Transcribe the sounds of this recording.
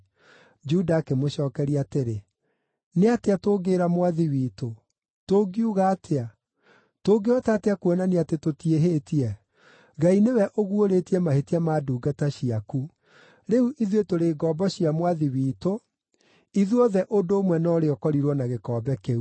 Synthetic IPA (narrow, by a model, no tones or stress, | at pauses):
d͡ʒudaːkemoɕɔːkɛɾiateɾe | neateatoːɡeːɾamwaðiwiːto | toɡiuɣaːtea | toːɡeɔtaːteakuɔnaneatetotieɦeːtiɛ | ɣainewɛʔoɣuoɾetiɛmahetiamaːduːɡataɕiaku | ɾeuʔiðwetoɾeːɡɔbɔɕiamwaðiwiːto | iðuɔðɛʔodoːmwɛnɔɾeɔkɔɾiɾwɔnaɣekɔːbɛkeu